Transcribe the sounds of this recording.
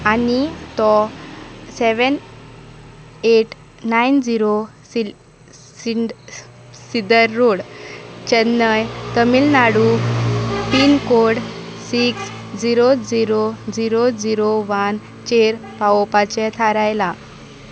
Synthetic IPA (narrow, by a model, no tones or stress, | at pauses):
anit̪ɔ | sɛʋən | eʈ | naind͡ziɾo | si | siɖ | sid̪əɾːoɽt͡ɕɛnːəjt̪əmilnaɽu | pinkoɽsiks | d͡ziɾod͡ziɾod͡ziɾod͡ziɾoʋan | t͡ɕeɾpaopat͡ɕɛt̪ʰaɾajla